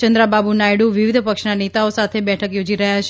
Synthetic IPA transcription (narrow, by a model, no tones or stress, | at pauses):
t͡ʃənd̪ɾababunajɽuʋiʋɪd̪ʱpəkʃnanet̪aosat̪ʰebɛʈʰəkjod͡ʒiɾəɦjat͡ʃʰ